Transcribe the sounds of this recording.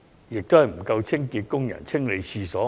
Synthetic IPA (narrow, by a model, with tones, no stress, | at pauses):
jɪ˨k̚t̪ʊ˥hɐ˨˩jm̩˨˩kɐ˧wt͡sʰɪ˥ŋkiː˧t̚kʊ˥ŋjɐ̰˨˩nt͡sʰɪ˥ŋle˨˧jsʰiː˧sɔː˨˥